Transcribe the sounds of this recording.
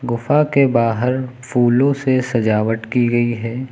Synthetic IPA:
ɡʊfakebaːɦəɾfʰuːlõsesɐd͡ʒaːʋəʈ̪kiɡɐiɦɛː

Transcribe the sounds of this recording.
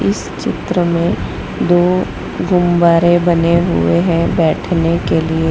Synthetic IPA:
ɪs | t͡ʃɪ̰t̪ɾəmẽ | d̪oː | ɡʊmbaːɾebɐneɦʊ̰eɦɛ̃bɛːʈʰnekelie

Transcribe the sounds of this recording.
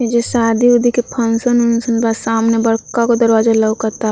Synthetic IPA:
ed͡ʒesaːd̪iʊd̪ʱikepʰənsənʊnsənbasaːmnebɐɽkakod̪əɾwaːd͡ʒaləʋkɐɾt̪a

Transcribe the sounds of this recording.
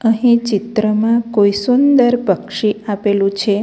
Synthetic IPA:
əɦĩt͡ʃɪt̪ɾəmãkkoisund̪əɾpəkʃiapelũt͡ʃʰe

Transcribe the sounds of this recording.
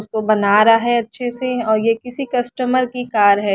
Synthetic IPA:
ʊskobɐnaːɾaɦɛɐtːʃʰeseɔːɾjekɪsikɐsʈəməɾkikaːɾɦɛː

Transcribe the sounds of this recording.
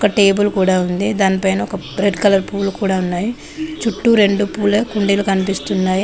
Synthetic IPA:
ɔkɐʈe̞ːbulkuːɽaːund̪id̪aːnipɐjnɐɔkɐ | ɾe̞ɖkɐlɐɾpuːlkuːɽaːunːaːji | t͡ʃuʈːuɾe̞ɳɖupuːlkuɳɖilukɐnipist̪unːaːji

